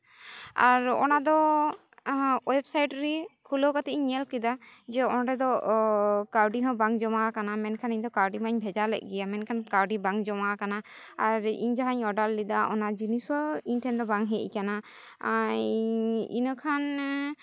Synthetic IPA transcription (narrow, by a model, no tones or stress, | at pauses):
aɾɔ̰nad̪ɔ | wɛbsajʈɾikʰulokat̪ɛɲɛlkid̪ad͡ʒɛɔnɾɛd̪ɔ | kaɾɖiɦɔ̃baŋd͡ʒɔmakanamɛnkʰaniɲd̪ɔkaɾɖimaɲbʱɛd͡ʒalɛ̰ʔ̚ˀɡɛjamɛnkʰankaɾɖibaŋd͡ʒɔmakana | aɾḭɲd͡ʒaɦaɲɔɖalːid̪aʔɔnad͡ʒunisɔiɲʈʰɛnd̪ɔbaŋɦɛʔkana | ḭnəkʰan